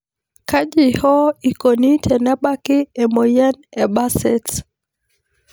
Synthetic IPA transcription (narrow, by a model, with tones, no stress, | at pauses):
ka˦d͡ʒi˨hɔ˦i˨ko˨ni˦tʰɛ˨na˦ɓa˦kɪ˦ɛ˨mo˨ja˦nɛ˨ba˦sɛ˨t